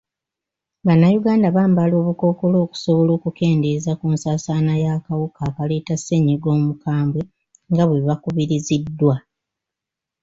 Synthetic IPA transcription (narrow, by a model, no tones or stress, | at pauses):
βanːajuɡaːndaβaːmbalo̞ːβuko̞ːko̞lo̞ːku̥soβo̞lo̞ːkuke̞ːnde̞zakuːnsaːsaːnajakawukaːkale̞ːtase̞ɲiɡo̞ːmukaːmbwe | ŋɡaβweβakuβiɾizidːwa